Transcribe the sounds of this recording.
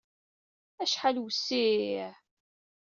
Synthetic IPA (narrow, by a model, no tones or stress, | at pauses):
æʃħalwəsːiiʕ